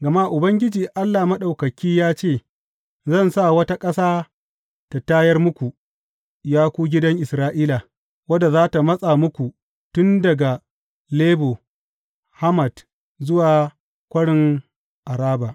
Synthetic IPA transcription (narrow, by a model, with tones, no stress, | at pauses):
ɡɐ˨ma˦ʔʊ˨bɐ˦ŋɡʲɪ˦d͡ʒiː˨ʔa˦lːa˨mɐ˦ɗa˨wkɐ˨kʲiː˦jaː˦t͡ʃeː˦˨ | zɐ˦˨nsa˦˨wɐ˦ta˦kʼɐ˦saː˦ | ta˨taː˦jɐ˦rmʊ˦kʷu˨ | jaː˦kʷuː˦ɡʲɪ˦dɐ˦ŋʔɪ˨sɾaː˦ʔiː˦la˨ | wɐ˦da˨zaː˦ta˨mɐ˦sʼa˨mʊ˦kʷu˨ | tʊ˦ndɐ˨ɡa˨ | leː˦boː˨ | ha˦mɐ˨d | zʊ˦waː˨ | kʷɐ˦ɽɪ˨ŋ | ʔa˨ɾaː˦ba˨ʔ